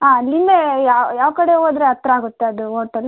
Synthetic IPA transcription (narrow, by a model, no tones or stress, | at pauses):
ɦaːlimbejaːjaːʋɐkɐɽeoːd̪ɾeɦɐt̪ːɾɐaːɡut̪ːeɐd̪uɦoːʈɐl